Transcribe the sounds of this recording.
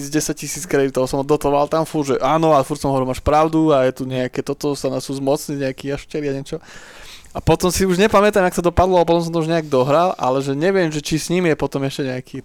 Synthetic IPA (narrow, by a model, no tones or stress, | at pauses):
d͡zɟɛsaccisiːt͡skɾɛd̪it̪ɔʊsɔmɔd̪ɔt̪lʋalt̪amfuɾʒɛʔaːnɔalɛfuɾt̪sɔmɦɔʋɾimaːʃpɾaʊd̪uajɛt̪uɲɛakɛt̪ɔt̪ɔsanasuzmɔt͡sɲiɲɛakiːjaʃcɛɾiaɲɛt͡ʃɔ | apɔt̪ɔmsiuʒɲɛpamɛt̪amaksad̪ɔpad̪lɔapɔt̪ɔms̬ɔ̃nt̪ɔuʒɲɛaɡ̚d̪ɔɦɾalʔa̰lɛʒɛɲɛʋɪɛmʒɛt͡ʃisɲimjɛpɔt̪ɔmɛscɛɲɛakʰi